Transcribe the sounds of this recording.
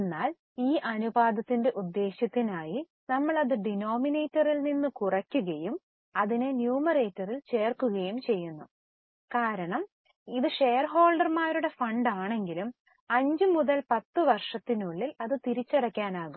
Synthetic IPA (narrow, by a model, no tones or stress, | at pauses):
enːaːl | iːʔɐnubaːd̪ɐt̪ːinde̞ʔud̪ːe̞ːɕjɐt̪ːinaːji | nɐmːɐɭɐðɨɖino̞ːmine̞ːtːɐrilninːukurɐkʲːuɣɐjum | ɐðinenjuːmɐreːtːɐrilt͡ɕe̞ːrkuɣɐjumt͡ɕe̞jːunːu | kaːɾɐɳɐm | iðɨʂe̞jrɦo̞ːlɖɐrmaːɾuɽe̞fɐɳɖaːɳe̞ŋɡilum | ɐɲd͡ʑɨmuðɐlpɐt̪ːɨʋɐrʂɐt̪ːinuɭːilɐðɨt̪iɾit͡ɕːɐɽɐkʲːaːnaːɣumm